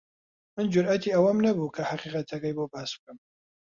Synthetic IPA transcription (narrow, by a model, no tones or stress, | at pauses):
mɨnd͡ʒʊɾʔat̪ʰiɐwamnabukʰahaqiqat̪ʰɐkajbobasb̥̚kɨm